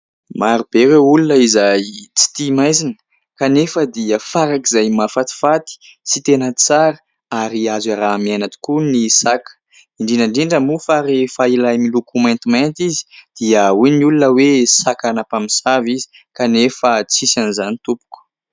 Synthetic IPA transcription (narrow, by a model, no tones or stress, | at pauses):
maɾub̥eɾeulunəizajt͡si̥t̪imajzinə̥ | kanefəd̪iəfaɾakizajmafat̪i̥fat̪i̥ | sit̪enət͡saɾə | aɾiazaɾamianat̪u̥kunisakə̥ | iɳɖ͡ʐinaɳɖ͡ʐiɳɖ͡ʐamufaɾifailajmilukumɛ̃nt̪imant̪izi̥d̪̥iəuniulunəwesakanapaminsavizi̥ | kanefət͡sisanizanit̪upu̥ku̥